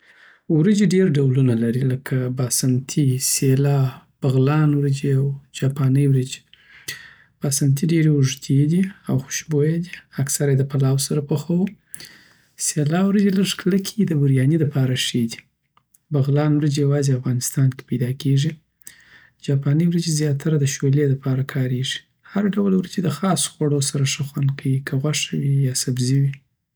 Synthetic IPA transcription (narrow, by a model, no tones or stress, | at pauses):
wɾəd͡ʒeɖeɾɖawlunalaɾiləkʰabɑsant̪ʰiselɑb̥aɣlɑnwɾəd͡ʒeawd͡ʒɑpɑnəjwɾəd͡ʒi̥ | b̥ɑsant̪ʰiɖeɾewʊʐt̪ʰed̪iawxʊ̥ʃbojad̪iaksaɾajd̪əpalɑwsaɾapəxawu | selɑwɾad͡ʒeləʐkləkʰed̪əbʊɾjɑnid̪apɑɾaʂed̪i̥ | baɣlɑnwɾəd͡ʒejawɑzeafɣɑnɪst̪ɑnke̥pajd̪ɑkeʐi | d͡ʒɑpɑniwɾad͡ʒezjɑt̪ʰaɾad̪əʃoled̪əpɑɾakʰɑɾeʐi̥ | haɾaɖawalwɾad͡ʒed̪əxɑso̥xwaɽosaɾaʂəxwand̪kʰawikʰaɣwaʂawijɑsabziwi